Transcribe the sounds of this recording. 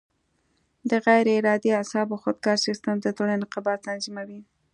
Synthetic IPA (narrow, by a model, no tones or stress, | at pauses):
d̪əɣajɾɪɾɑd̪iasɑboxod̪̚ɡɑɾsist̪əmd̪ət̪olaneqabɑt̪lanzimawi